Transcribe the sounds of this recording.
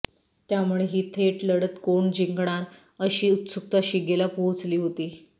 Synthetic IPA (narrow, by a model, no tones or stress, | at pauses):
t̪jamuɭeɦiːt̪ʰeʈləɽət̪koɳd͡ʑiŋɡɳ̃aɾ | əɕiːut̪suk̚t̪aɕiɡelapoɦut͡sliːɦot̪iː